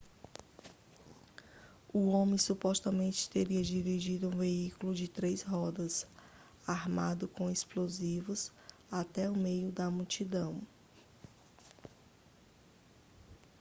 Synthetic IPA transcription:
uõmẽsupɔst̪ɐmẽnt͡ʃɪ̥t̪eɾiɐd͡ʒivid͡ʒid̪ʊũveikulʊd͡ʒɪt̪ɾejzɦɔd̪ɐs | aɾmad̪ʊkõesplozivʊs | at̪ɛʊmejʊd̪ɐmut͡ʃid̪ɐ̃w̃

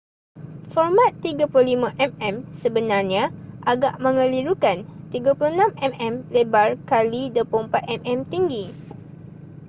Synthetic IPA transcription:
fɔrmãt̪ːiɡapulolimãʔɛmɛmsəbənarɲãʔaɡaʔmə̃ŋə̃liɾukant̪iɡapuloənãmɛmɛmlebarkalidəpəumpat̪̚ɛmɛmt̪iŋɡi

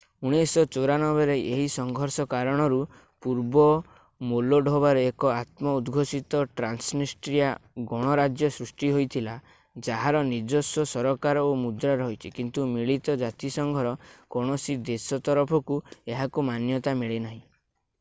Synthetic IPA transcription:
uɽ̃esɔt͡ʃoɾanɔbeɾeʔeɦisɔŋɡʱɔɾsɔkaɾɔɽ̃ɔɾu | puɾbɔ | moloɖʱobaɾɔekɔat̪mɔud̪ɡʱosit̪ɔʈɾansnisʈɾijaɡɔɽ̃ɔɾad͡ʒjɔsɾusʈiɦojt̪ʰila | d͡ʒaɦaɾɔniɾd͡ʒosɔsɔɾɔkaɾɔomud̪ɾaɾɔɦjt͡ʃʰikint̪umiɭit̪ɔd͡ʒat̪isɔŋɡʱɔɾɔkɔɽ̃ɔsid̪esɔt̪ɔɾɔpʰɔkueɦakumanjɔt̪amiɭenaɦĩ

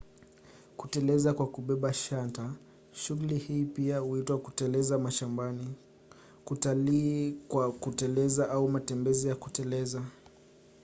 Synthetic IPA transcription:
kutɛlɛzakwakuɓɛɓaʃanta | ʃuɣulihiːpiahuitwaku̥tɛlɛzamaʃambani | kutalikwakutɛlɛzaʔaumatɛmbɛzijakutɛlɛza

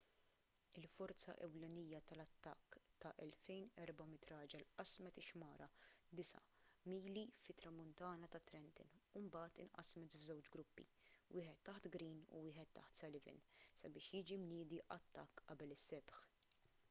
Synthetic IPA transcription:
ɪlfɔɾt͡sɐ̰ʔɛ̰wlɛnijːɐt̪ɐlɐt̪ːɐkːt̪ɐʔɛlfɛjnɛɾbɐmɪt̪ɾɐːd͡ʒɛlʔɐsmɛt̪ɪʃmɐːɾɐd̪ɪsɐ̰ | miːlifɪt̪ɾɐmʊnt̪ɐːnɐt̪ɐt̪ɾɛnt̪ɪ̰numbɐːt̪ɪnʔɐ̰smɛt̪vzɛwt͡ʃɡɾʊpːḭwɪːħɛt̪ːɐħt̪ɡɾiːnṵwɪːħɛt̪ːɐ̰ħt̪sɐlɪvɪ̰nsɐbɪːʃjɪːd͡ʒimnɪːd̪iʔɐt̪ːɐkːʔɐbɛlɪsːɛbħ

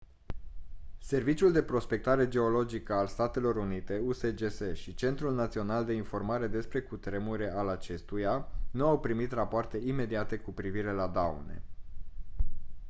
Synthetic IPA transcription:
se̞rvit͡ʃiuld̪e̞pɾo̞spe̞k̚t̪aɾe̞d͡ʒe̞o̞lo̞d͡ʒikəalst̪at̪e̞lo̞ɾunit̪e̞use̞d͡ʒeseʃit͡ʃe̞nt̪ɾulnat̪sio̞nald̪e̞info̞rmaɾe̞d̪e̞spɾe̞kut̪ɾe̞muɾe̞alat͡ʃe̞st̪ujanuawpɾimit̪rapoart̪e̞ime̞d̪iat̪e̞kupɾiviɾe̞lad̪aṵne̞̰

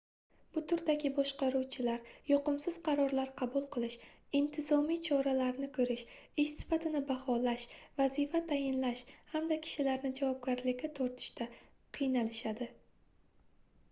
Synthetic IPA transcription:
b̥ʊt̪ʰʊɾd̪aɡʲɪbɒʃqɑɾuwt͡ʃʰɪlaɾjɒqɨmsɪz̥qʰɑɾɒɾlaɾqʰɑbʊlˠqʰɨlˠɪʃ | ɪnt̪ʰɪzɒmijt͡ʃʰɒɾalaɾnɪkʰɵɾɪʃ | ɪʃsɪ̥fat̪ʰɪnɪbahɒlaʃvazifat̪ʰajɪnlaʃhamd̪akʲʰɪ̥ʃɪlaɾnɪd͡ʒavɒb̚ɡʲaɾlɪkʲɪt̪ʰoɾt̪ʰɪ̥ʃt̪ʰa | qʰɨjnalɪʃad̪ɪ

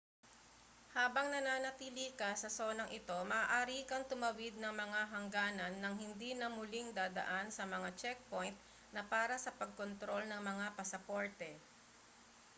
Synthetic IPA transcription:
haːbɐŋnɐnaːnɐt̪iːlikɐsɐso̞ːnɐŋʔɪt̪o̞mɐʔːʔaːɾikɐŋt̪ʊmɐwɪd̪̚nɐŋmɐŋaɦɐŋɡaːnɐnːɐŋɦɪnd̪inɐmʊliŋd̪aːd̪ɐ̰ʔansɐmɐŋat͡ʃɛk̚po̞jnt̪̚ | nɐpaːɾɐsɐpɐɡ̚kont̪ɾo̞lnɐŋmɐŋapɐsɐpoɹt̪ɛ

